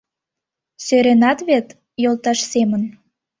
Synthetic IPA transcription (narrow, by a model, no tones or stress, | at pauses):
søɾenɑt̪βet̪ | jolˠt̪ɑʃsemən